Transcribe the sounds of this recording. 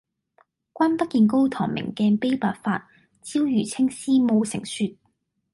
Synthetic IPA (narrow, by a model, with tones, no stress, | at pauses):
kʷaː˥npɐ˥t̚kiː˧nk̬o˥wt̪ʰɔ̰ː˨˩ŋmɪ̰˨˩ŋkɛː˧pe˥jpaː˧t̚faː˧t̚ | t͡siː˥wjyː˨˩t͡sʰɪ˥ŋsiː˥mo˧wsɪ˨˩ŋsyː˧t̚